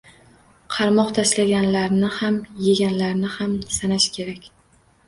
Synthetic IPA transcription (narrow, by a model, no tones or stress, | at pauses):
qʰɑɾmɒχt̪ʰaslaɡʲanlaɾnɪhamjeɡʲanlaɾnɪhamsanaʃkʲʰe̞ɾakʲ